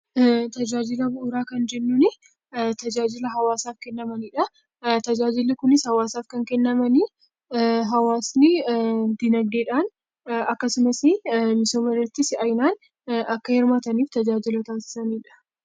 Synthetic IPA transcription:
t̪ɐd͡ʒaːd͡ʒɪlɐbʊʔʊɾaːkɐnd͡ʒɛnːuːnɪ | t̪ɐd͡ʒaːd͡ʒɪlɐɦɐwaːsaːfkɛnːɐmɐniːᶑɐ | t̪ɐd͡ʒaːd͡ʒɪlːɪkʊnɪshɐwaːsaːfkɐŋkɛnːɐmɐnɪ | ɦɐwaːsnɪd̪ɪnɐɡ̚d̪eːᶑaːn | ɐkːɐsʊmɐsɪmɪsoːmɐrːɐt̪ːɪsɪɐjnaːn | ɐkːɐhɪɾmaːt̪ɐniːft̪ɐd͡ʒaːd͡ʒɪlɐt̪aːnsɪ̥sɐniːᶑɐ̥

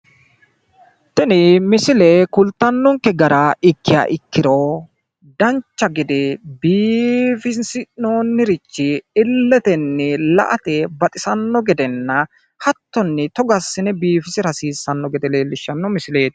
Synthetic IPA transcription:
t̪ɛnɪmɪsɪlɛkʊlt̪ːɐnːɔŋkːɛɡɐɾɐɪkːɪja̰ʔɪkːɪɾo | d̪ɐnt͡ʃːɐɡɪd̪ɛbiːfɪnsɪnoːnːɪɾɪt͡ʃːɪɪlːɛt̪ɛnːɛlɐ̰ʔɐt̪ɛbɐt̪ʼɪsɐnːɔɡɛd̪ɛnːɐ | hɐt̪ːɔnːɛt̪ɔɡɐsːɪnɛbiːfɪsɪɾɐsiːsːɐnːɔɡɛd̪ɛleːlːɪʃːɐnːɔmɪsɪleːt̪

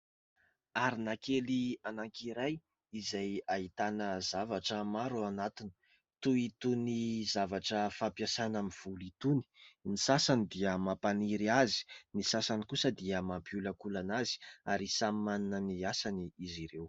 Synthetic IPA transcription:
aɾinakelianaŋkiɾaj | izajait̪anəzavaʈ͡ʂəmaɾuanat̪ini̥ | t̪uit̪unizavaʈ͡ʂəfapjasanamiv̥ulit̪uni̥nisasanid̪iəmapaniɾiazi̥nisasanikusəd̪iəmampiuləkulanazi̥aɾisamimaninəniasaniiziɾew

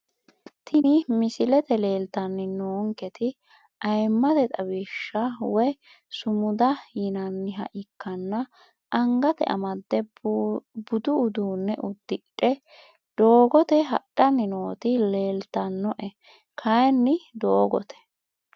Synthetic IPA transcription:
t̪ʰɪnɪmɪsɪlɛt̪ɛle̞ːlt̪ɐnːɪnoːŋkɛt̪ɪ | ɐjmːɐd̪ɛt̪ʼɐwiːʃːɐwɔj | sʊmʊd̪ɐhɪnɐnːɪɦɐ̰ʔɪkːɐnːɐ | ʔɐŋɡɐt̪ɛ̰ʔɐ̰mɐd̪ːɛ | bʊd̪ʊːd̪uːnːɛʔʊd̪ːɪᶑʼɛ | d̪̥oːɡɔt̪ɛɦɐ̰ɗːɐnːɪnoːt̪ɪle̞ːlt̪ːɐnːɔʔɛ | kʰɐjnːɪd̪oːɡɔt̪ɛ̥

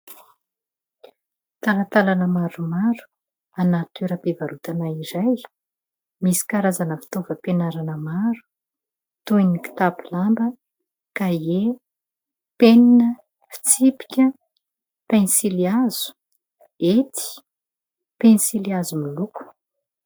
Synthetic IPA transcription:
t̪alat̪alanəmaɾumaɾu̥ | anat̪eɾəpevaɾut̪anaiɾaj | misi̥kaɾazanəfi̥t̪ovəpenaɾanəmaɾu̥ | t̪ojniki̥t̪apilambə | kae | peninə | fi̥t͡sipi̥kʲə | pensiliaz̥u̥ | et̪i̥ | pensiliazumiluku̥

